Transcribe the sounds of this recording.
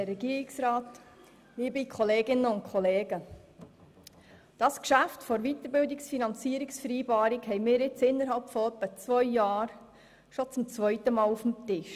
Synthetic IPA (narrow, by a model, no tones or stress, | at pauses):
rɛɡiːɾɪksɾɑːt | liːbikʰɔleːɡɪnːəʊnt̚kʰɔleːɡ̥ə | d̥ɑskʃæftfɔɾʋitəɾbɪldɪksfinɑnt͡siːəɾɪksfəɾiːbɑːɾɪkhɛɪmɪːɾɪt͡sɪnːəɾɦɑlpfɔœpːət͡svœʏjɑːɾ | ʃot͡sʊmt͡svœʏtəmɑːlufm̩tɪʃ